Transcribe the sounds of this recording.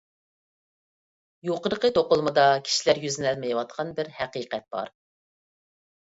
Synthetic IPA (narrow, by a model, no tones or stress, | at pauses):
joqəɾəqət̪ʰoqʊlˠmɨd̪ɑkʲʰi̥ʃilæɾjyznælmejwɑt̪̚qʰɑnbɪɾhæqiqɛt̪̚b̥ɑ̰ɾ